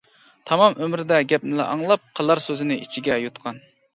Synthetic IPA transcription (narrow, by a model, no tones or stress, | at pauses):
t̪ʰɑmɑmʔømɾɪd̪ɛɡʲɛp̚nɪlɛ̰ʔɑŋlˠɑp̚qʰəlˠɑɾsøzɪnɪit͡ʃʰiɡʲɛjut̪qʰɑn